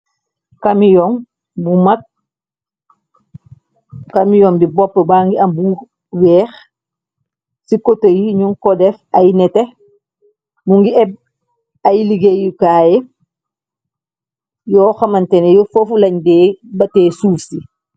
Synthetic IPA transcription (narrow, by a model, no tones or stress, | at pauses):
kɐmijɔm | bumɐk̚ | kɐmijɔːmdibɔpːəbaːŋɡiɐmbu | wɛːx | sikɔtɐjiɲuŋkɔdɛfɐjnɛtɛ | muŋɡiɛb̚ | ɐjliɡejukaːjɛ | jɔːxɐmɐntɛnɛjɔfofulɐɲdɛːbɐtɛːsuːfsi